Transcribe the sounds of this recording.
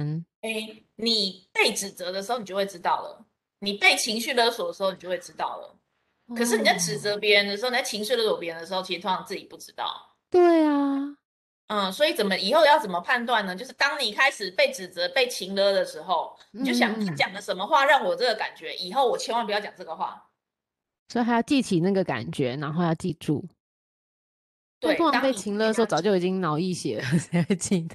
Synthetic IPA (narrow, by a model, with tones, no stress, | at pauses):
e˥ɪni˨˩pe˥˩ɪʈ͡ʂɻ̩˨˩t͡sə˧˦d̪ə˧ʂɻ̩˧˥o˥˩ʊn˨˩t͡ɕo˥˧we˥ɪʈ͡ʂɻ̩˥t̪ɑ˥˩ʊlə̰˩ | ni˨˩pe˥˩ɪt͡ɕʰi˧˥ŋɕy˥˩lə˥swɔ˨˩d̪ə˩˧˥o˥˩ʊn˨˩t͡ɕo˥˧we˥˩ɪʈ͡ʂɻ̩˥t̪ɑ̰˥˩ʊlə̰˩ | kʰɤ˨˩ʂɻ̩˥˩ni˨˩t͡sa˥˩ɪʈ͡ʂɻ̩˨˩t͡sə˧˥pjɛ˧˦˥ɻə˧nd̪ə˧ʂɻ̩˧˥˩n˨˩t͡sa˥˩t͡ɕʰi˧˥ŋɕʂɻy˥˩lə˦˥wɔ˨˩pjɛ˧˥ɻə˧˦nə˧ʂ̩˧˥o˥˩ʊt͡ɕʰi˧ʂɻ̩˨˧t̪ʰŋʰ˥ɑ˥˨˩t͡sɹ̩˥˩t͡ɕi˨˩pu˥˩ʈ͡ʂɻ̩˥t̪ɑ̰˥˩ʊ | t̪we˥˩ɪa | ʔə˥˩swɔ˧˥i˨˩t͡sə˨˩mə˦i˨˩xo˥ʊjɑ˥˩ʊt͡sə˨˩nmə˦pʰa˥˧nt̪̬wa˥˨nːə˩t͡ɕjo˥˧ʊʂɻ̩˥˩t̪ɑ˥ŋni˨˩kʰa˦˥ɪʂɻ̩˨˩pe˥˩ɪʈ͡ʂɻ̩˨˩t͡sə˧˦pe˥˩ɪt͡ɕʰi˧˥ŋlɤ˦d̪ə˨ʂɻ̩˧˥xo˥˧ʊ˨ | t͡ɕo˥˩ɕjɑ˨˩˥t͡ɕjɑ˨˩ŋlə˦ʂə˧˥nmə˧xwa˥˧ɻɑ˥˩ŋwɔ˨˩ʈ͡ʂə˥˩ɡə˩ka̰˨˩nt͡ɕɥɛ˧˥ʔi˨˩xo˥˩ʊwɔ˨˩t͡ɕʰjɛ˧˥nwa˥˩pu˧˩jt͡ɕjɑ˨˩ŋʈ͡ʂɤ˥˩ɡə˨xwa̰˥˩ | swɔ˧˥˨a˧˥ɪjɑ˥˧ʊt͡ɕi˥˩t͡ɕʰi˨˩na˥˩ɡə˩ka̰˨˩nt͡ɕɥɛ˧˦na˧˥nxo˥˧ʊjɑ˥˧ʊt͡ɕi˥˧ʈ͡ʂṵ˥˩ | t̪w̪ʰŋɑ˨˧˥pe˥˩t͡ɕʰi˧˥ŋlə˧˥də˧ʂ̩˧˥˧t͡sɑ˨ʊt͡ɕjo˥˩ʊi˨˩t͡ɕi˦˥ŋnɑ˧˥ʊi˥˩ɕjɛ̰˨˦ə˨˦˨t͡ɕi˥˧˩